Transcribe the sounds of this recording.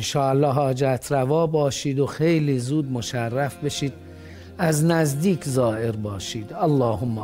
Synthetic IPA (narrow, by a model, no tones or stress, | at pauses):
nʃɒːælːɒːɦɒːd͡ʒæt̪ʰɾævɒːbɒːʃiːd̪o̞xe̞jliːzuːd̪̚moʃærːæfbe̞ʃiːd̪̚ | æznæzd̪iːkʰzɒːʔeɾbɒːʃiːd̪ælːɒːɦomːæ